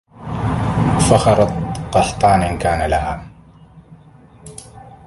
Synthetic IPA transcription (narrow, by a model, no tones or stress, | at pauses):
fɑxɑɾˤɑt̪ˤqɑħt̪ˤɑːnʔɪnkaːnalahaːm